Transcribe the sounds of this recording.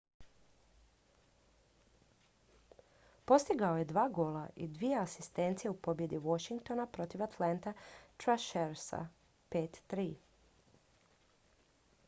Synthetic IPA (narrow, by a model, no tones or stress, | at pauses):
po̞st̪iɡaoje̞d̪ʋaːɡo̞ːlaʔḭd̪ʋijeasist̪e̞nt̪sijeupo̞bje̞d̪iʋo̞ʃiŋk̚t̪o̞napɾot̪iʋat̪lant̪at̪ɾaʃeɾsa̰ | peːt̪ːɾiː